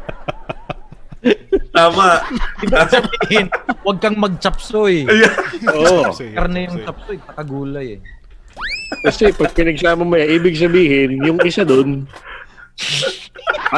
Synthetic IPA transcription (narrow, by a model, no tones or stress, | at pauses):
t̪aːmɐʔiːbɪɡsɐbiːhɪnwɐɡ̚kɐŋmɐɡ̚t͡ʃɐpsojjʔoɐɾnojʊŋt͡ʃɐp̚sojtɐkɐɡuːlɐjɛ | kɐsɛpɐɡ̚pɪnɐɡ̚saːmɐmʊjɐʔiːbɪɡ̚s̬ɐbiːhɪnjʊŋʔɪsad̪on